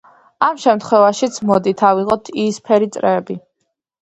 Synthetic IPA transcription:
amʃɛmt̪χwɛvaʃit̪sʰmɔd̪it̪ʰaviʁɔt̪ʰiːspʰɛɾit̪sʼɾɛːbi

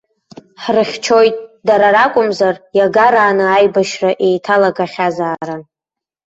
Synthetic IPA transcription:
ħrɨχʲt͡ʃʰo̞jtʼdaɾaɾakʷʼʊmzarjaɡaɾaːnɨajbaʃraʔe̞jtʰalaɡʼaχʲazaːɾan

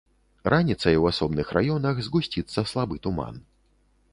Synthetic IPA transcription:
ranʲit̪sɐjwasɔbnɨxrajɔnɐxzɣusʲt͡sʲit̪sːɐslˠabɨt̪uma̰n

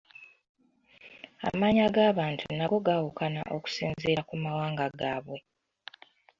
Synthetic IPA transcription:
a̰maːɲaɡaːβaːntʰṵnaɡo̞ɡawukana̰ʔo̞ku̥siːnzeːɾakumawaːŋɡaɡaːβwe̞

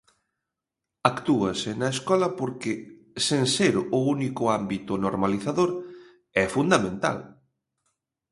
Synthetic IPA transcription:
akt̪uɐsɪnɐeskɔlɐpoɾkɪ | seŋseɾʊunikʊambit̪ʊnoɾmaliθaðoɾ | ɛfund̪amẽnt̪a̰l

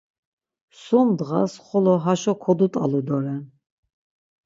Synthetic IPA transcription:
sumd̪ʁa̰sχɔlɔɦaʃɔkʰɔd̪ut̪ʼalud̪ɔɾɛn

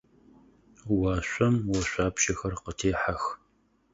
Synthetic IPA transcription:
waːɕʷʼɐmwɐɕʷaːpʃɐxɐrqətʰeːħax

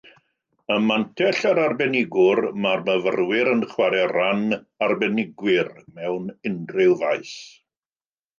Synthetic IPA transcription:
əmantʰɛɬaɾarbɛnɪɡʊrmarməvə̰rwɪɾənχwaɾɛran | arbɛnɪɡwɪrmɛwnɪndrɪlˠvajθ

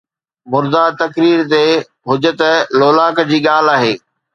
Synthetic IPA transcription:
mʊɾd̪at̪ɐkɾiːɾt̪e | ɦʊd͡ʑət̪əloːlaːkd͡ʑiːɠaːl̤aːɦeː

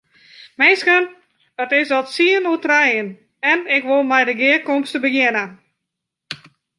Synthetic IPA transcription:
mɪskən | ətɪsɔtsiənutrɛjən | ɛnɪkʋolˠmɛjdəɡɪəkomstəbəjɪnə

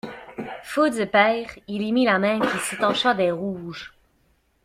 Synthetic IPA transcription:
fod̪əpɛːʁilimilamɛ̃kʲiset̪ɑ̃ʃad̪ɛʁuːʒ

